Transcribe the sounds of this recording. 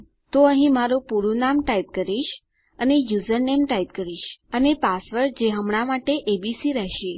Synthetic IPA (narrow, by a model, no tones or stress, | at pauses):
t̪oəɦĩmaɾupuɾunamʈait̪̚kəɾiʃ | ənejuzəɾnemʈait̪̚kəɾiʃənepasʋəɾd͡ʒeɦəmɳ̃amaʈeʔebisiɾɛɦʃe